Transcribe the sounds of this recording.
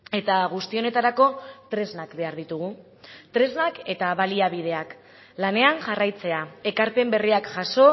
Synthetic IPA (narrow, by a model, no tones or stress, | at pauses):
e̞t̪aɣ̞ust̪io̞ne̞t̪aɾako̞t̪ɾe̞znakbe̞aɾð̞it̪uɣ̞u | t̪ɾe̞znake̞t̪aβaliaβ̞ið̞e̞ak | lane̞anʝarajt͡se̞ae̞kaɾpe̞mbe̞riakʝaso̞